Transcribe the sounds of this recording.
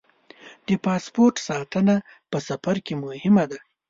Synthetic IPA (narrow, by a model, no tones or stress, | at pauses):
d̪̥əpɑspoɾʈsɑt̪əna | pəsafaɾkemʊhɪmad̪a